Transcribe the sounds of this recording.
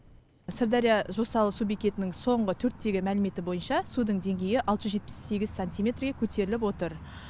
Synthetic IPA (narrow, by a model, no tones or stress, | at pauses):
sɪrd̪ɑɾʲijaʒo̞sɑlˠəsubekʲe̞t̪ɪnɪŋso̞ɴʁət̪ʰɵɾt̪ːe̞ɡʲɪmælɪme̞t̪ɪbo̞jənʃɑsud̪əɴd̪e̞ŋɡʲe̞jɪʔɑlˠəʒəzʒe̞t̪̚pɪ̥sːe̞ɡʲɪzsanʲt̪ijmʲe̞t̪rɡʲe̞kʲʰɵt̪ʰe̞ɾɪlɪp̬wo̞t̪əɾ